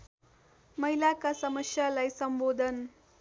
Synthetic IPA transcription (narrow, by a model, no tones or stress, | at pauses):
mʌɦilakasʌmʌsjalajsʌmbod̪ʱʌn